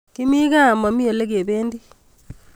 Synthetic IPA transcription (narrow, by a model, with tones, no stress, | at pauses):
ki˦mi˦ka˦˨ma˨mi˦o˨le˦k̬e˨beː˦ndi˦